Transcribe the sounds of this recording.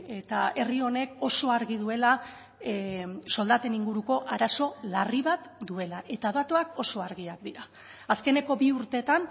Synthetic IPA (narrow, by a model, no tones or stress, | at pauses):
e̞t̪ae̞rio̞ne̞ko̞so̞aɾɣið̞ue̞la | so̞ld̪at̪e̞niŋɡuɾuko̞ʔaɾaso̞lariβat̪d̪ue̞laʔe̞t̪aðat̪oako̞so̞aɾɣiakd̪iɾaː | ske̞ne̞ko̞biuɾt̪e̞t̪an